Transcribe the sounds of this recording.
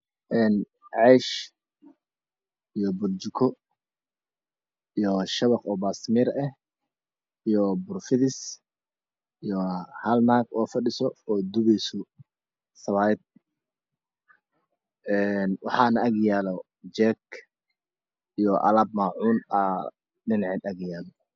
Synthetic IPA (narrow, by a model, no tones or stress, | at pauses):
ʔɛːn | ʕɛʃ | ijɔbʊlt͡ʃɪkʰɔ | ijɔʃɐβɑqɔːbaːsmɪɾɛh | ijɔbʊrfɪðɪs | ijɔhɐlnaːɡɔːfɐɖɪsɔɔːd̪uβɛjsɔ | sɐβaːjd̪̚ | ʔɛnwɑħɑːnɐɐɡjaːlɔ | d͡ʒɛːk | ijɔʔɐ̰lɐb̚maːʕuːna | ɖɪnʕɪd̪ɐɡjaːlɔ